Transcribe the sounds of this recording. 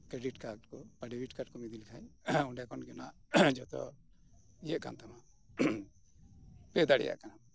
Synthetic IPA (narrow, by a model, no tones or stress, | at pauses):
kɾɛɖiʈkaʈkɔpaɖiwiʈkaʈkɔmid̪ilkʰajuɖjakɔnɡɔnaʔ | d͡ʒɔt̪ɔ̰ | ijəʔka̰nt̪ama | pɛd̪aɽɛ̰ja̰ʔkana